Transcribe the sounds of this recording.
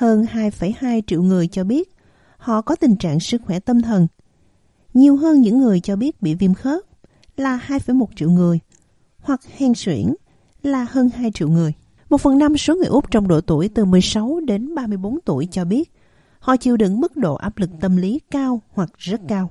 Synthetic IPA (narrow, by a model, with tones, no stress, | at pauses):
həː˧nhaː˧jfə˧˩jhaː˧jt͡ɕḭ˧˨əwŋɨ˨˩əjt͡ɕɔ˧ɓi˦˥ət̚ | hɔ̰˧˨kɔ˨˦t̪ï˨˩ŋ̟t͡ɕa̰ː˧˨ŋsɨ˦˥k̚xwɛ˧˩t̪ə˧mt̪ʰə˨˩n | ɲi˨˩əwɦəː˧nɲɨ̰˧˥ŋːɨ˨˩əjt͡ɕɔ˧ɓi˦˥ət̚ɓḭ˧˨vi˧mxəː˦˥t̚ | laː˨˩haː˧jfə˧˩˦jmo˨˩t̚t͡ɕḭ˧˨wŋɨ˨˩əj | hwa˨˩k̚hɛ˨˧˩ŋswḭ˧˩ən | laː˨˩həː˧nhaː˧jt͡ɕḭ˧˨wŋɨ˨˩əj | mo˨˩t̚fə˨˩nːa˧mso˨˦ŋɨ˨˩əʔʊ˦˥p̚t͡ɕɔ˧wŋ͡mɗo̰˧˨t̪u˧˩əjt̪ɨ˨˩mɨ˨˩əjsa˨˦wɗe˨˦nɓaː˧mɨ˧əjɓo˨˦nt̪u˧˩əjt͡ɕɔ˧ɓi˦˥ət̚ | hɔ̰˧˨t͡ɕi˧˩əwɗɨ̰˧˥ŋmɨ˦˥k̚ɗo̰˧˨ʔa̰ː˦˥p̚lɨ˨˩k̚t̪ə˧mli˨˦kaː˧whwa˨˩k̚zə˦˥t̚kaː˧w